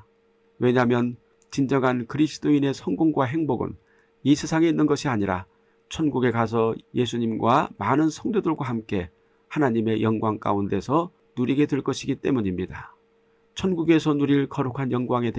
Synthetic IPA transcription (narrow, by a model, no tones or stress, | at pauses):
we̞ɲamjʌn | t͡ɕind͡ʑʌŋɦankɯɾisʰɯ̥t͈oine̞sʰʌŋɡoŋɡwaɦe̞ŋboɡɯ̰n | isʰesʰaŋe̞inːɯnɡʌɕʰiaɲiɾa̰ | t͡ɕʰʌnɡuɡe̞kas̬ʰʌje̞sʰuɲimɡwamanɯnsʰʌŋdodɯɭɡwaɦhamk͈e̞ | hanaɲime̞jʌŋɡwaŋk͈a̰unde̞sʰʌ | nuɾiɡe̞tweɭk͈ʌɕʰiɡit͈e̞muɲimɲida | t͡ɕʰʌnɡuɡe̞sʰʌnuɾiɭkʌɾukʰanjʌŋɡwaŋe̞t